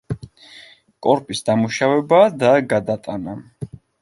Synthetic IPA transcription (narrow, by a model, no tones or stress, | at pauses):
kʼɔɾpʼisd̪amuʃavɛbad̪aɡad̪at̪ʼana